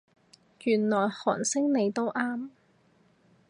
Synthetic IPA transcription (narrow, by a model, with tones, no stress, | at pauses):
jyː˨˩nlɔː˨˩jhɔ̰ː˨˩nsɪ˥ŋne˨˧jt̪o˥wʔaː˥m